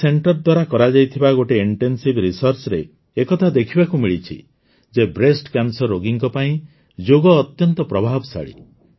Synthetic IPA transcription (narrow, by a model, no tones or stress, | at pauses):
seɳʈɔɾd̪waɾakɔɾad͡ʒajt̪ʰibaɡoʈeiɳʈensibɾisɔɾt͡ʃɔɾeː | kɔt̪ʰad̪ekʰibakumiɭit͡ʃʰḭ | d͡ʒebɾesʈkjansɔɾːoɡiŋkɔpaĩ | d͡ʒoɡɔːt̪jɔnt̪ɔpɾɔbʱabɔsa̰ɭḭ